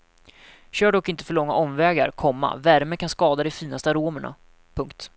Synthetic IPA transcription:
ɕøːɖɔkːɪnt̪əfœɭɔŋːaʔɔmvɛːɡa̰ɾkʰɔmːa̰væɾməkʰanskɑːd̪ad̪ɛfiːnast̪əaɾoːməɳa̰ | pʰɵŋk̚t̪

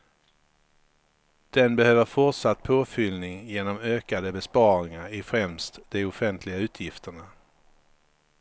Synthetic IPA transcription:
d̪̥ɛnbɛhøːvəɾfʊʈʂat̪̚ːpʰoːfʏlnɪŋjeːnɔmøːkad̪əbɛspɑːɾɪŋaɾɪfɾɛmst̪d̪̥ɛʊfɛnt̪ʰlɪɡaʉ̟ːt̪ʰjɪft̪əɳa

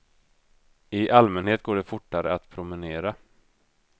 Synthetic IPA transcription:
ɪʔalmɛnheːt̪̚ɡoːɖɛfʊʈːaɾə̰at̪pʰɾʊmɛneːɾa

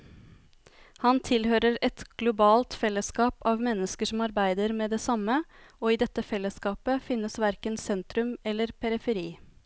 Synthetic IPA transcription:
hɑnt̪ʰɪlhøːɾəɾɛt̪ɡ̥lʊbɑːlt̪fɛlːəskɑːpɑːʋmɛnːəskəʂɔmɑɾbæɪd̪əɾmeːd̪eːsɑməoːiːd̪ɛt̪ːəfɛlːəskɑːpəfɪnːəsʋæɾkənsɛnt̪ɾʉmɛlːəɾpʰɛɾɪfəɾiː

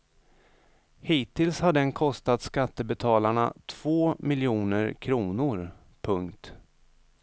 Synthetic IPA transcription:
hiːt̪ɪlshaɖɛnkʰɔst̪at̪skat̪ːəbɛt̪ʰɑːlaɳa̰t̪ʰv̥oːmɪljuːnəɾkʰɾuːnʊɾ | pʰɵŋkt̪

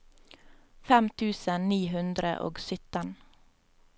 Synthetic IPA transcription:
fɛmt̪ʰʉːsəniːɦʉnd̪ɾə̰ʔo̰ːɡsʏt̪ən

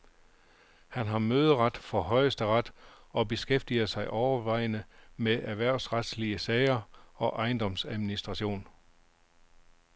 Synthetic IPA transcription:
hænɦɑ̈møːð̞̩ˠəʁɑd̥fɒ̽ɦɒ̽ɪsd̥əʁɑd̥ | ɒ̽b̥e̝sɡ̥efd̥iɐsɑ̈ɪʔɒʊɐʋɑ̈ɪnəmeʔæʋæɐ̰ʊsʁad̥sliəsɛɪɐɒ̽ʔɑ̈ɪnd̥ɒ̽msæðˠminisd̥ʁɑ̈ɕo̝̰ːn

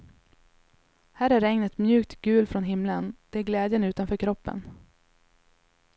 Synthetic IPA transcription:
hæːɾæɾɛŋnət̪mjʉ̟ːk̚t̪ɡʉ̟ːlfɾɔnɦɪmlənd̪̥ɛæɾɡlɛːd̪jənʉ̟ːt̪anfœːɾkʰɾɔpːə̰n

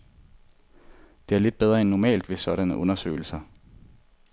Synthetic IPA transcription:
d̥e̝æɐle̝d̥̚b̥eð̞ˠʁɐenːɒmɛ̰ːld̥ʋe̝sɒ̽ɾ̥ænəʔɔ̽nɐsø̰ːɪl̩sɐ

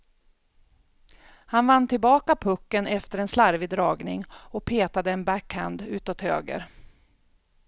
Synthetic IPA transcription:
hanvanːt̪ʰɪlbɑːkapʰɵkːənɛft̪əɾɛnslaɾvɪd̪ɾɑːɡnɪŋɔk̚pʰeːt̪ad̪əɛnbækhænd̪ʉ̟ːt̪ɔt̪hø̰ːɡə̰ɾ

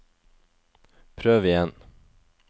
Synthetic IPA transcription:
pʰɾøːvɪjɛn

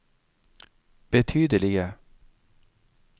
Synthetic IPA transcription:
b̥ɛt̪ʰyːd̪əlɪɡə

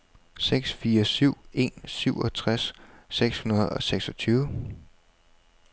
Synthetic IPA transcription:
seɡ̥sfiːɐsyʊ̰e̝nsyʊ̰ʔɒ̽t͡sʰʁasːeɡ̥shunɐð̩ˠɒ̽seɡ̥sɒ̽t͡sʰyːʊə

